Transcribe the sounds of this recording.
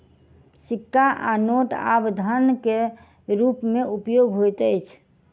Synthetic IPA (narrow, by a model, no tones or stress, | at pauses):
sikːaʔanoʈa̰bd̪ʱənke | ɾupmeupjoɡɦojt̪əjt͡ʃʰ